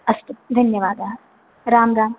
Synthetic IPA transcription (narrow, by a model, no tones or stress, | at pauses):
ɐst̪ut̪̚d̪ʱɐnjɐʋaːd̪ɐ | ɾaːmd̪aːm